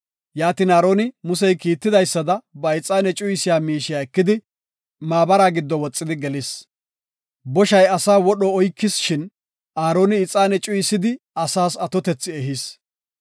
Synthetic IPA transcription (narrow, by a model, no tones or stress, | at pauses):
jaːt̪iːnaːɾoːnɪmʊsɛjkiːt̪ːɪd̪ɐjsːɐd̪ɐbɐɪt͡sʼaːnɛt͡ʃʼʊjɪsɪjaːmiːʃɪjaːɛkːɪd̪ɪ | maːbɐɾaːɡɪd̪ːɔwɔt͡sʼːɪd̪ɪɡɛlɪs | bɔʃɐjɐsaːwɔɗɔɔjkːɪsʃɪn | ʔaːɾoːnɪɪt͡sʼːaːnɛt͡ʃʼʊjɪsɪd̪ɪ | ɐsaːsɐt̪ɔt̪ɛt͡sːɪɛɦɪs